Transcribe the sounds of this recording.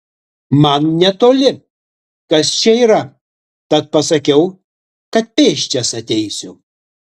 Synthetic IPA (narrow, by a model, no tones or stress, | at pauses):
mɐnnʲɛt̪oːlʲɪ | kɐst͡ʃʲɛiːɾɐ | t̪ɐt̪̚pɐsɐkʲɛʊ | kɐt̪̚pʲeːʃʲt͡ʃʲɛsɐt̪ʲɛɪsʲʊ